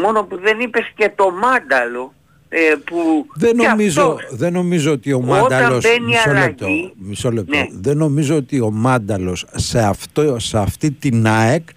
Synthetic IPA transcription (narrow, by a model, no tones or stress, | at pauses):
mo̞no̞puðe̞nipe̞sce̞t̪o̞mɐnd̪ɐlo̞ | epuðenomizoðeno̞mizo̞ot̪io̞mɐod̪ɐlɐoseniɐsoɾlep̚t̪oimisolep̚toðeno̞mizo̞ot̪io̞mɐnd̪ɐlo̞sseɐft̪oseɐft̪it̪inɐek